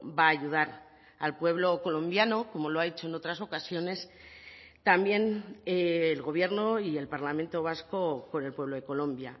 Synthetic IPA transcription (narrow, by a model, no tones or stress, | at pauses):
baːʝuð̞aɾ | alpwe̞β̞lo̞ko̞lõ̞mbjano̞ko̞mo̞loaet͡ʃo̞e̞no̞t̪ɾaso̞kasjo̞ne̞s | t̪ambje̞neːlɣo̞β̞je̞ɾno̞ie̞lpaɾlamẽ̞nt̪o̞β̞asko̞ko̞ne̞lpwe̞βlo̞ðe̞ko̞lõ̞mbja